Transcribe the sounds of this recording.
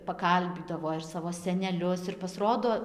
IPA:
pɐˈkɐlʲbʲiːdɐʋoː ɪr ˈsɑːʋoː sʲɛnʲɛˈlʲʊs ɪr pɐsˈroːdoː

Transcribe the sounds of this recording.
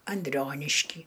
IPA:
ɐnʲˈdʲrʲoːnʲɪʃʲkʲiː

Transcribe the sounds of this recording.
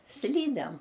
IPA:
ˈsʲlʲiːdʲɛm

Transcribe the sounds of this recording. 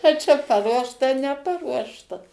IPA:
ɐ ˈt͡ʃʲɛ pɐˈruɔʃtɐ nʲɛˈpɑːruɔʃtɐ

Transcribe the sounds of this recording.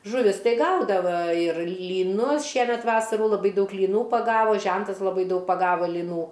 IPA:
ʒʊˈʋʲɪs ˈtɐɪ ˈɡɐʊdɐʋɐ ɪr lʲiːˈnʊs ˈʃʲiɛmʲɛt ˈʋɑːsɐruː lˠɐˈbɐɪ ˈdɐʊk lʲiːˈnuː pɐˈɡɑːʋoː ˈʒʲɛntɐs lˠɐˈbɐɪ ˈdɐʊk pɐˈɡɑːʋɐ lʲiːˈnuː

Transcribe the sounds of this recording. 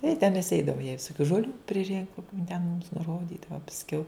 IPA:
ɪ tʲɛn mʲɛs ˈɛɪdɐʋɐ jɛɪ ʋʲɪsoːˈkʲuː ʒoːˈlʲuː pʲrʲɪˈrʲɪŋkʊm jɪn tʲɛn mʊms nʊˈroːdʲiːdɐʋɐ pɐsʲˈkʲɛʊ

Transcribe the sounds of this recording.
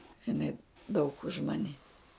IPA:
ɪˈnɐɪ dɐʊk ʊʃ ˈmɑːnʲɪ

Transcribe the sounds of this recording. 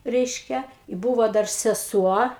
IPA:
ˈrʲɛɪʃʲkʲɛ ɪ ˈbuːʋoː ˈdɐr sʲɛˈsuɔ

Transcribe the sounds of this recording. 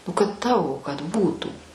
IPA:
ˈnʊ kɐt ˈtɑːʋoː kɐt ˈbuːtuː

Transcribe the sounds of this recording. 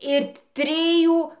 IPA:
ɪr ˈtʲrʲɪjuː

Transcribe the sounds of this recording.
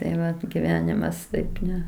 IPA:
tɐɪ ˈʋɐt ɡʲɪˈʋʲæːnʲɪmɐs ˈtɐɪp ˈnʲɛ

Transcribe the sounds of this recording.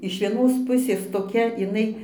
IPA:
ɪʃ ʋʲiɛˈnoːs ˈpʊsʲeːs toːˈkʲɛ ɪˈnɐɪ

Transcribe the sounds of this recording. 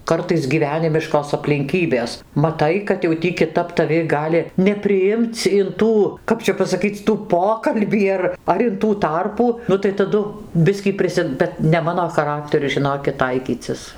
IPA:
ˈkɐrtɐɪs ɡʲiːˈʋʲæːnʲɪmʲɪʃkoːs ɐpʲlʲɪŋʲˈkʲiːbʲeːs mɐˈtɐɪ kɐt jɛʊ ˈtʲiː kʲɪˈtɐp tɐˈʋʲɪ ˈɡɑːlʲɪ nʲɛpʲrʲɪˈɪmt͡s ɪn ˈtuː ˈkɐp t͡ʃʲɛ pɐsɐˈkʲiːt͡sʲ ˈtuː ˈpoːkɐlʲbʲiː ɐr ɐr ɪn ˈtuː ˈtɐrpuː ˈnʊ tɐɪ tɐˈdʊ ˈbʲɪsʲkʲiː ˈpʲrʲɪsʲɪ ˈbʲɛt nʲɛ ˈmɑːnoː xɐˈrɑːktʲɛrʲʊ ʒʲɪˈnoːkʲɪt ˈtɐɪkʲiːt͡sʲɪs

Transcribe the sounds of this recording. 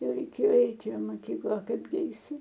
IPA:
ˈjɛʊ rʲɛɪˈkʲeːjoː ˈɛɪtʲɪ ɪ mɐˈkʲiːklˠɐ ɐ ˈkɐɪbʲɡʲɪ ɐɪˈsʲɪ

